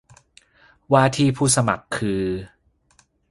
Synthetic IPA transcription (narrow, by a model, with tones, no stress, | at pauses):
waː˧t̪ʰiː˥˩pʰuː˥˩sa˧ma̰˨˩kʰːɯː˧